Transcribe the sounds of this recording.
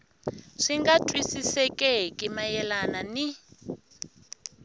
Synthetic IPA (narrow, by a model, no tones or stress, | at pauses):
ʂiŋɡatʼwisisɛkʼɛkʼimajɛlanani